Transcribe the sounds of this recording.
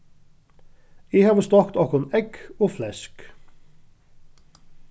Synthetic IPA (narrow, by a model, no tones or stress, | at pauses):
iːhɑːʋəst̪ɑkt̪ɑkɔnɛkoːflɛsk